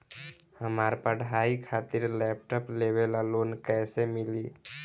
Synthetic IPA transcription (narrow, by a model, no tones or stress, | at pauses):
həmaːɾpəɽɦaːikʰaːt̪ɪɾlɛːp̚ʈɔpleːʋelaloːnkɛːsemɪliː